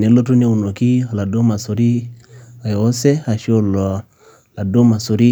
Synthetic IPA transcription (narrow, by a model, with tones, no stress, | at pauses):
ne˨lo˦tu˦ne˦u˨no˨ki˦˨la˨do˦ma˨so˨ɾi˦a˨jːsɛ˦a˨ʃo˦lo˨ | la˨do˦ma˨so˨ɾi˦